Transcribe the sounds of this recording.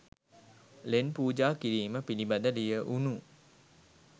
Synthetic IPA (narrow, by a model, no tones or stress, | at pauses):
lenpuːd͡ʒaːkiɾiːməpinibad̪adijəʔunu